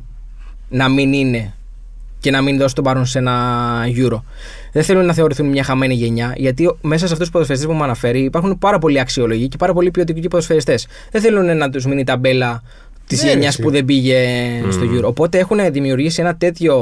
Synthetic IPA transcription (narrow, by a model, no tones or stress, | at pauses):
nɐminine̞ | ce̞nɐminðo̞st̪obɐɾonse̞nɐʝuɾo̞ | ðeθe̞lunnɐθe̞o̞ɾiθunmɲɐxɐme̞niʝe̞ɲɐʝɐt̪ime̞s̬ɐs̬eɐft̪usu̥poðosfeɾist̪epumɐnɐfe̞ɾiːpɐɾxunpɐɾɐpo̞liɐksio̞loʝice̞pɐɾɐp̬o̞lipio̞t̪icicipoðosfe̞ɾist̪e̞s | ðeθe̞lunenɐt̪̬uzminit̪ɐbe̞lɐ | t̪izʝe̞ɲɐspuðe̞biʝe̞st̪oʝuɾoːpo̞t̪e̞e̞xuneðimiuɾʝisienɐt̪e̞t̪ço̞